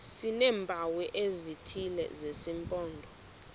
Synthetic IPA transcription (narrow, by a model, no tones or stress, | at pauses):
sinɛːmbʱawɛʔezitʰilɛ̰zesimpʼɔːndʱɔ